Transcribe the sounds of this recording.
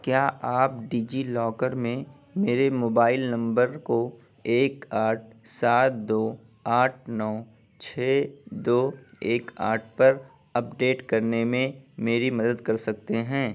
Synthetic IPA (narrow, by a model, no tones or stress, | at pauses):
kjaːʔaːp̚ɖiːd͡ʒilɔːkəɾmẽ | meːɾemoːbaːɪlnɐ̃mbəɾko | eːkaːʈ̚ʰ | saːt̪̚d̪oː | aːʈʰnɔː | t͡ʃʰɛːd̪oːeːka̰ːʈ̚ʰpɐɾ | ɐpɖeːʈkɐɾnemẽmeːɾimɐd̪əd̪kɐɾsɐk̚t̪eɦɛ̃ː